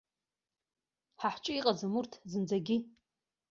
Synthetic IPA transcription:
ħaħt͡ʃʷʼɪiqʼazamurtʰzɨnd͡zaɡʲɪ

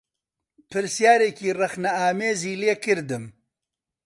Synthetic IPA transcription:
pʰɨɾsjaːɾeːkiːrɐxnɐaːmeːziːleːkɨɾd̪ɨm

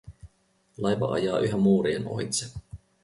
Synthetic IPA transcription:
lɑjʋɑʔɑ̰jɑːʔyɦæmːuːɾieno̰it̪se

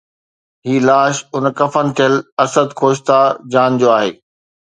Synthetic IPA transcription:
ɦiːlaːʃʊnkɐfənɪ̆t̪ʰijəlɐsəd̪kʰoːʃ̬t̪ad͡ʑaːnd͡ʑoːaːɦḛː

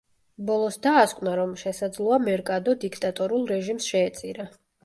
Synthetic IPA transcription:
bɔlˠɔsd̪aːskʼnaɾɔmʃɛsad̪zlˠɔamɛɾkʼad̪ɔd̪ikʰt̪ʼat̪ʼɔɾulˠɾɛʒimsʃɛːt̪sʼiɾa

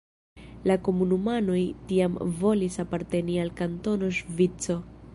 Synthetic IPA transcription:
lako̞munumano̞jtiamvo̞lisapaɾte̞nialkanto̞no̞ʃvit͡so̞

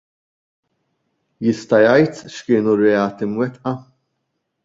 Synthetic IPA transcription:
jɪst̪ɐjɐjt̪ʃkɪːnurɛɐːt̪imwɛt̪ʔɐ

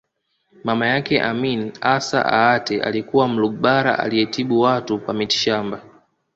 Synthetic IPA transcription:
mamajakɛʔaminasa̰ʔa̰atɛʔa̰likuwam̩luɡɓaɾa̰ʔa̰liɛtiɓuwatukwamiti̥ʃamba

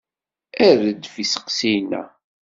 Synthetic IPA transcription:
æɾəd̪fisə̥qsijnæ̰

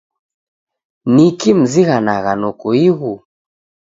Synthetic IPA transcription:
nikim̩ziɣanaɣanɔkuiɣu

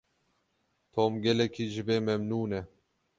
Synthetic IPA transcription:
t̪ʰoːmɡɛlɛkʰiːʒɨbeːmɛmnuːnɛ

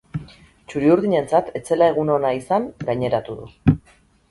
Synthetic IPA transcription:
t͡ʃuɾiuɾðiɲe̞nt͡sat̪ʰe̞t͡se̞lae̞ɣuno̞naisaŋɡajɲe̞ɾat̪uðṵ

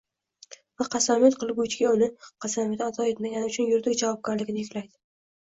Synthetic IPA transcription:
vaqʰɑsamet̪qʰɨlˠɪbʊt͡ʃɡʲaʊnɪqʰɑsamet̪at̪ʰɒe̞t̪maɡʲanɪʊt͡ʃʰʊnjʊɾd̪ɪkʲd͡ʒavɒb̚ɡʲaɾlɪɡʲɪɪjɪkʲlajd̪ɪ

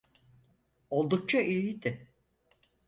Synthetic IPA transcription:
o̞lˠd̪uk̚t͡ʃʰaʔijid̪ɪ

